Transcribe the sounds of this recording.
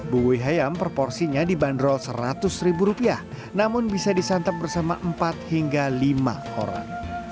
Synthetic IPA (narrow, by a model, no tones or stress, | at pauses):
buwujɦajampɾopɔrsiɲadibandɾɔlsəɾat̪ʊsribuɾupiah | namʊnbisadisant̪ap̚bərsama̰ʔəmpat̪̚hiŋɡalima̰ | o̰ɾa̰ŋ